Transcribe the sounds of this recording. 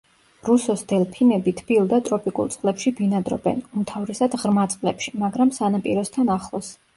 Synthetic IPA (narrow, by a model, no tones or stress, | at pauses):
ɾusɔsd̪ɛlˠpʰinɛbit̪ʰbilˠd̪at̪ʼɾɔpʼikʼṵlˠt̪sʼqʼlɛpʃibinad̪ɾɔ̰bɛ̰numt̪ʰavɾɛsad̪ʁɾmat̪sʼqʼlɛpʃi̥maɡɾamsanapʼḭɾɔst̪ʰanaχlˠɔs